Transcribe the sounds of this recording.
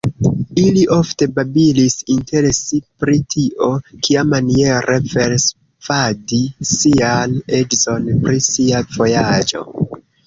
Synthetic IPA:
iliʔo̞fte̞babilisinte̞ɾesipɾitʰiʔo̞kʰiamanie̞ɾʔefeɾs | fadisiane̞d͡ʒzo̞npɾisiavo̞jad͡ʒo̞̰

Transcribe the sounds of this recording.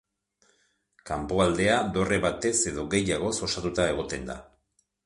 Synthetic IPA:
kampo̞ald̪e̞ad̪o̞re̞βat̪e̞se̞ðo̞ɣe̞jaɣ̞o̞so̞sat̪ut̪ae̞ɣ̞o̞t̪e̞nd̪a̰

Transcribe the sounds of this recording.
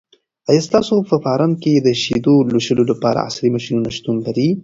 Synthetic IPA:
ajast̪ɑsopəfɑɾɑnked̪əʃid̪oloʃəlolapɑɾa̰a̰sɾimaʃinunaʃt̪unlaɾi

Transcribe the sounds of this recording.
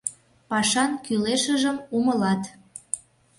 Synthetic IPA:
pɑʃɑnkyleʃəʒəmuməlɑt̪

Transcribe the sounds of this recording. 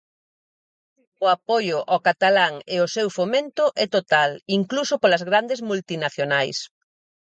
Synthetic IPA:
ʊapojʊʔɔkat̪alaŋeʊsewfomẽnt̪ʊʔɛt̪ot̪aliŋklusʊpolɐzɣɾand̪ezmult̪inaθjonajs

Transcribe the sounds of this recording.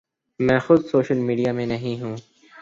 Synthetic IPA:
mɛ̃ːxʊd̪soːʃəlmiːɖijamẽnɐɦĩɦũː

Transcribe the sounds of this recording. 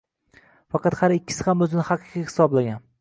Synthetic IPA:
fɑqʰɑt̪haɾɪkʲːɪ̥sɪhamɵzɪnɪhɑqʰɨ̥qihɪ̥sɒblaɡʲan

